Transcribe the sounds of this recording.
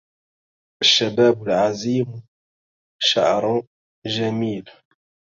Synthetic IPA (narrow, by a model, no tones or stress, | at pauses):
ʔaʃːabaːbʊlʕaziːm | ʃa̰ʕɾˤ | ʒamiːl